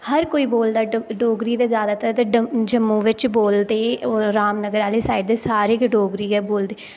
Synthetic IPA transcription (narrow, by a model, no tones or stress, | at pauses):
həɾkoːiːboːld̪aːɖoːɡɾiːd̪eːzjaːd̪aːt̪əɾt̪ed͡ʒəmːõːʋɪt͡ʃboːld̪eːɾaːmnəɡəɾaːleːsaːɪɖd̪eːsaːɾeːkɖoːɡɾiːɛːboːld̪eː